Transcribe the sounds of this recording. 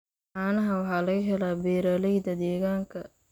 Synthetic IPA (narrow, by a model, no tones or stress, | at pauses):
aːnɐɦɐwɑħɑːlɐɣɐɦɛlaːbɛːɾaːlɛjd̪ɐd̪ɛːɣaːŋkʰɐ